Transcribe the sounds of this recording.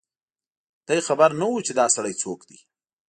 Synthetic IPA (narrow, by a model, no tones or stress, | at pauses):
d̪̥ajxabaɾnawut͡ʃed̪ɑsaɽajt͡sokd̪i